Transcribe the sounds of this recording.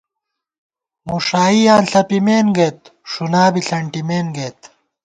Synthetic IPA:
muʂaːijaːnɬɐpimeːnɡeːt̪̚ʂunaːbiɬɐɳʈimeːnɡeːt̪

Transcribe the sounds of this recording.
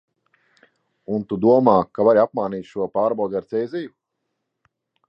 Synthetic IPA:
unt̪ud̪uɔmaːkavaɾiap̚maːniːt̪ʃuɔpaːɾbaɔɡaɾt̪sɛjziju

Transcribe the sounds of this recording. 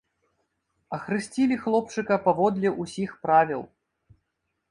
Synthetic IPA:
ɐxɾɨsʲt͡sʲilʲixlˠɔp̚t͡ʂɨkɐpavɔd̪lʲɛʔusʲixpɾavʲilˠ

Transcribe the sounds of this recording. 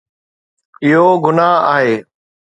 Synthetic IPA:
ɪɦoɡʊnaːa̰ːɦeː

